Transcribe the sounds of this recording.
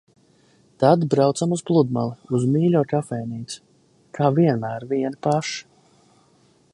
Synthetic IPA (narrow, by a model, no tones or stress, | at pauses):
t̪ad̪bɾawt̪samuzplˠud̪̚ma̰lˠiuzmiːlʲɔːt̪afɛːniːt̪su̥ | kʰaːviɛnmæːɾviɛnpaʃ